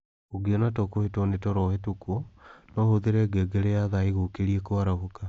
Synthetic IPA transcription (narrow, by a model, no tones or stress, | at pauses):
oɡeɔnatɔkohetɔnetɔɾɔhetukwonɔhoðeɾɛɡɛɡeɾeaðaiɣokeɾiekoaɾahoka